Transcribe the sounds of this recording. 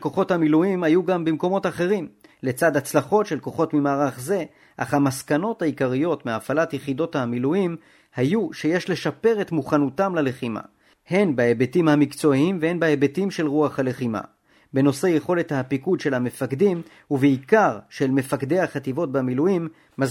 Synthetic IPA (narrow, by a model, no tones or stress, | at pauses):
lko̞χo̞thamiluimhajuɡambimko̞mo̞t̪aχe̞ʁimle̞t͡sad̪at͡slaχo̞tʃe̞lko̞χo̞tmimaːʁaχze̞ | ʔa̰χhamaskano̞thaikaʁijo̞tmeafalatjeχido̞thamiluim | hajuʃeje̞ʃle̞ʃape̞ʁetmuχanutamlale̞χima̰ | he̞nbaebetimhamikt͡so̞imvehe̞nbaebetimʃe̞lʁuaχhale̞χima̰ | be̞no̞se̞je̞χo̞le̞thapikud̪ʃe̞lhame̞fakdim | uveikaʁʃe̞lme̞fakd̪e̞haχat̪ivo̞t̚bamiluimː | az